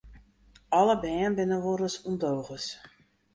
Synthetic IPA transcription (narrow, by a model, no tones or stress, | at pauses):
ɑləbɛːnbɪnəʋoɾəsɔmdowɣəs